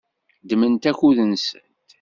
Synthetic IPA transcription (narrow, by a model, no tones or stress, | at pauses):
d̪mənt̪æçuðənsə̰nt̪